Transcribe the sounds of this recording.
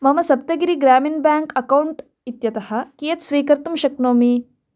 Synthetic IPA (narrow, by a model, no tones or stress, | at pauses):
mɐmɐsɐp̚t̪ɐɡiɾiɡɾaːminbaːŋkɐkɐwuɳʈ | it̪jɐt̪ɐhɐ̆kijɐt̪sʋiːkɐɾt̪umʃɐknoːmi